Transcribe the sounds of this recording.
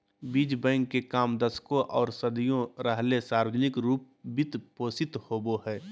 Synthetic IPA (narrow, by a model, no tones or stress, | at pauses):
biːd͡ʒbɛ̃ːŋɡkekaːmd̪əskõʔɔːɾsəd̪ijõɾəɦlesaːɾʋəd͡ʒnɪkɾuːp̚ | bɪt̪poːsɪt̪hoːboɦɛː